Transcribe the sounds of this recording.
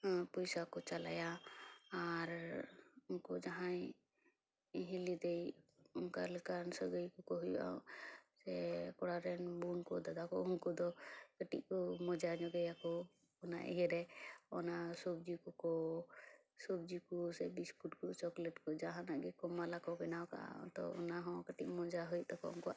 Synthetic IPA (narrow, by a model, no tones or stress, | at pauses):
pɔjsakɔt͡ʃala̰ja | aɾ | ʊnkɔd͡ʒaɦã | ɦĩlid̪ejʊnkaləkansəɡəjkɔkɔɦuja̰sɛkɔɽaɾɛnbunkɔd̪ad̪akɔʊnkɔd̪ɔkəʈḭk̚kɔmɔd͡ʒaɲɔɡɛjakɔ | ɔna̰ʔḭɦɛɾɛɔnasɔb̚d͡ʒikɔkɔ | sɔb̚d͡ʒikɔsɛbiskuʈkɔt͡ʃɔklɛʈkɔd͡ʒaɦãnaɡɛkɔmalakɔkɛnawka̰t̪ɔ̰ṵnaɦɔ̃kəʈik̚mɔ̃d͡ʒaɦɔjt̪̚ɔkɔ̰unkɔ